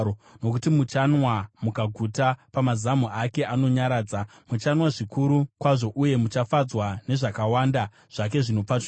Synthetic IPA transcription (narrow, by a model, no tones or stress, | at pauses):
ono̞kutimut͡ʃanwamukaɡʱutapamazamuake̞ʔano̞ɲaɾaːd͡zamut͡ʃanwaʐikʰuɾukwaʐo̞ʔuje̞mut͡ʃafad͡zwane̞ʐakawaːnda | ʐ̥ake̞ʐinop͡fat